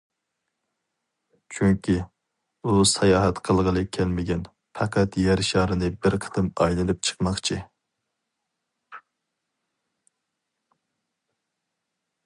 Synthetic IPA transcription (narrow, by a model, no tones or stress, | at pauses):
t͡ʃʰyŋkʲʰi | usɛjɑːɦɛt̪qʰəlˠʁəlˠɨkʲʰælmɪɡʲɛn | pʰɑqʰɑt̪jɛɾʃɑːɾɨnɨbɪɾqʰə̥t̪ʰɨmɑjlˠɨnɨp̚t͡ʃʰə̥qmɑχt͡ʃʰi